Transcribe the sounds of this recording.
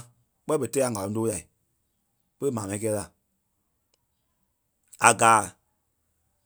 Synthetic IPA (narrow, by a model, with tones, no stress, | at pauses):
k͡pɛ˦ɓə˧˨tɛ˧˦a˨ŋa˨lɔ̃˨˦doː˦la˨i˨ | pə˦ɾə˦mãː˨mã˨ĩ˦kɛː˧˦la˨ | a˨ɡaː˨˦